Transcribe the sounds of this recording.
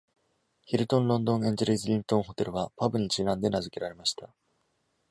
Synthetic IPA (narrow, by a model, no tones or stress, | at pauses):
çiɾɯ̟t̪õ̞nɾõ̞nd̪õɰẽ̞ɲ̟d͡ʑeɾʲizɨɾʲĩnt̪õŋɦo̞t̪e̞ɾɯ̟βapabɯ̟ɲ̟it͡ɕinãnd̪e̞nazɨke̞ɾaɾe̞maɕi̥t̪ʰa